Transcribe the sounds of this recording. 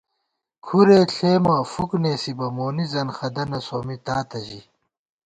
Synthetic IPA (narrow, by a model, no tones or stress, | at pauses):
kʰuɾeːɬʰeːmɐːfukneːsibɐmoːnizɐnxɐd̪ɐnɐsoːmit̪aːt̪ɐʑi